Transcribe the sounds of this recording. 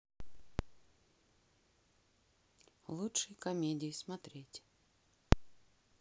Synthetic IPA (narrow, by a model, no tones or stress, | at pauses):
lˠutʂɨjkɐmʲedʲɪjɪsmɐt̪ɾʲetʲ